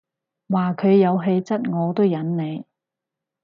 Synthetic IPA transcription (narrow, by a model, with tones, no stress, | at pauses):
waː˨kʰɵ˨˧ɥjɐ˨˧wɦe˧jt͡sɐ˥t̚ŋɔː˨˧t̪o˥wjɐ˨˥nne˨˧j